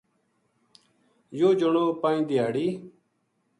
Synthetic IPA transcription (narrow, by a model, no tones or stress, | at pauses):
joːd͡ʒəɳõːpaːĩːd̪ɪjaːɽiː